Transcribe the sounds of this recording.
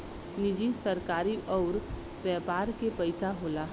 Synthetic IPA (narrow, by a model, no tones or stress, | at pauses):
nɪd͡ʒisɐɾkaːɾiʔɔːɾ | bɛːpaːɾkepəɪsaɦoːla